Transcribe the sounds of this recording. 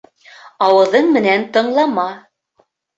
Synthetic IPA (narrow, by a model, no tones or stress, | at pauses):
ɑwɤ̆ðɤɴmɘ̆nænt̪ɤ̆ɴlˠɑmɑ